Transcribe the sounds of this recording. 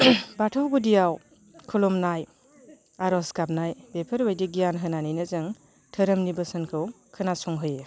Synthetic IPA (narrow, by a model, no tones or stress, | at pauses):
batʰawɡudijaw | kʰulɔmnaj | aɾɔskap̚najbepʰɐɾwejdiɡijanɦɯnanijnɯzɯŋ | tʰɐɾɐmnibɐsɐnkʰɯw | kʰɯnasɔŋɦɯje